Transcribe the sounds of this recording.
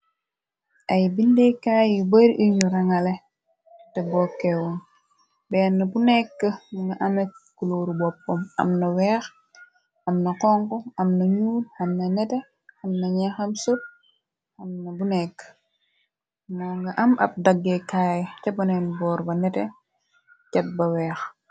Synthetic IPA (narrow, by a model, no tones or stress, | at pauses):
ʔɐjbindɛkaːjjubɐɾʔinuɾɐŋɐlɛ | tɛbɔːkːɛwun | bɛːnːɐbunɛkːəŋɡɐʔɐmɐkuloɾubɔpːɔmɐ̰mnɐwɛːx | ɐmnɐqɔŋkɔɐmnɐɲuːlɐmnɐnɛtɛ | ɐmnɐɲɛxɐmsut̚ | ɐmnɐbunɛkː | moːŋɡɐʔɐmɐ̰p̚dɐɡːɛkaːjtɛbɐnɛnbɔːɾbɐnɛtɛ | cɐt̚bɐwɛːx